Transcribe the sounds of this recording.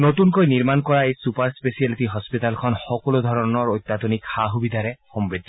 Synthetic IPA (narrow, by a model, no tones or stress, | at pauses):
notunkojniɹmankɔɹaejsupaɹspesialitiɦɔspitalkʰɔnxɔkɔlod̪ʱɔɹɔnɔɹojt̪ːat̪onikxaɦubid̪aɹɛxɔmbɹid̪ʱːɔ